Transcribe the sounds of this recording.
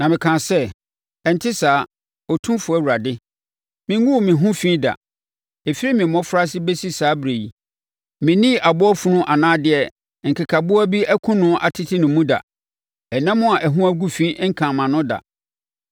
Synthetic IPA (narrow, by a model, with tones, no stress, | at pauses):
nã˨mɪ̃˨kʰã˨sɛ˦ | ɛ˨n˨tʰɪ˦saː˨˦ | ɔ˨tʰũ˦fʊ˨æ˦˨wu˨ɾa˨dɪ˦ | mɪ̃˨˦ũ˦wmɪ̃˨ɦũ˦fĩ˦da̰˨ | e˨fi˦ɾi˦mɪ̃˨mɔ̃˦fɾa˦s̬ɪ˦be˦si˦saː˨˦bɾe˨ji˨ | mɪ̃˨nĩ˦˨ʔa˨bʊ˦ɔ˦fu˦nʊ̃˦ʔa˨nãː˦dɪ˨ɛ˨ | ŋ̩˨kʰa˨kʰa˨bʊ˦æ˦bi˦æ˦kʰũ˦nʊ̃˦ʔa̰˨tʰɪ˦tʰɪ˦nʊ̃˨mːũ˦da̰˨ | ɛ˨nã˦mʊ̃˦a˨ʔæ˨ɦũ˦æ˦ɡu˦fĩ˦ŋ̩˦kʰã˨mã˨nʊ̃˦da̰˨